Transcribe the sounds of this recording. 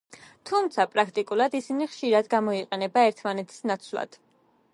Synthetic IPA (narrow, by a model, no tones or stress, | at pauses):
t̪ʰumt̪sʰapʼɾakʰt̪ʼikʼulˠad̪isiniχʃiɾad̪ɡamɔiqʼɛnɛbaɛɾt̪ʰmanɛt̪ʰi̥snat̪sʰvlˠa̰d̪̥